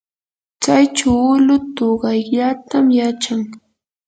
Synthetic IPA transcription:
t͡sajt͡ʃʊʊlʊt̪oɢɑjʎat̪amjat͡ʃaŋ

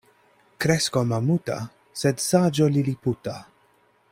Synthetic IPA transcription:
kɾɛskɔmamuːt̪ɐ̰ | sɛt̪saːd͡ʒɔliliput̪ɐ

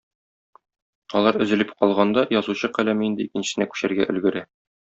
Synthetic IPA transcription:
ɒlˠɑɾɵ̆zɘ̆lɘpqɒlˠʁɑnd̪ɑjɒzuɕɤqælæmɘind̪ɘikɘ̆nɕɘ̥̆sɘ̆nækʉ̥ɕæɾɡæ̰ʔɵ̆lɡɘ̆ɾæ

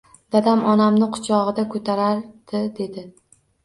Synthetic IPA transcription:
d̪̥ad̪amʔɒnamnɪqʰʊ̥t͡ʃʰɒʁɨd̪akʰɵt̪ʰaɾaɾd̪̥ɪd̪e̞d̪ɪ

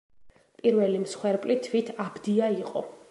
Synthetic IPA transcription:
pʼiɾvɛlimsχwɛɾpʼlit̪ʰwit̪ʰabd̪iaiqʼɔ

